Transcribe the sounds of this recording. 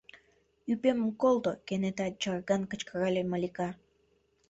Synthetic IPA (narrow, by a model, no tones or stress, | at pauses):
ypemkolˠd̪okenet̪at͡ʃarɡankə̆t͡ʃkaɾalʲemalʲika